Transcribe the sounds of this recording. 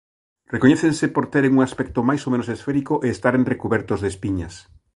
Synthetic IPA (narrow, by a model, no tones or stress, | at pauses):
rekoɲeθẽnsepoɾt̪eɾeŋuŋaspɛk̚t̪omajsomẽnosesfeɾikoʔeːst̪aɾenrekuβɛɾt̪ozðespiɲas